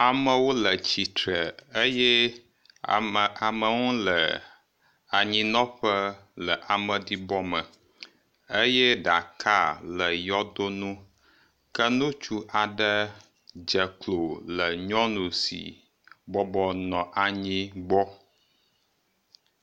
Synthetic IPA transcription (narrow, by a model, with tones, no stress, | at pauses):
a˨mə˦wo˦lə˨t͡ɕi˨t̪ɾə˨ə˦jɛ˦˨ | ə˨a˨mə˨ŋũ˦lə˨ | a˨ɲĩ˦nɔ̃˦ɸə˦lə˨ʔa˨mə̃˨di˦bɔ˦mə˨ | ə˦jɛ˦ɖa˨kʰa˦lə˨jɔ˦d̪o˦nũ˦ | kə˦nũ˦t͡ʃu˦ʔa˨ɖə˦ | d͡ʒə˨klo˨lə˨ɲɔ̃˦nũ˨sḭ˨ | bɔ˦bɔ˦nɔ̃˨ʔa˨ɲĩ˦ɡ͡bɔ˦